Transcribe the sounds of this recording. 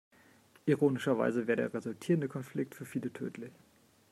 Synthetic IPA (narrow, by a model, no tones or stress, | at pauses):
ʔiʁoːnɪʃɐva̰ɪzəveːɐdeːɐʁezʊltʰiːʁəndəkʰɔnflɪk̚tfyːɐfiːlətʰø̰ːtʰlɪç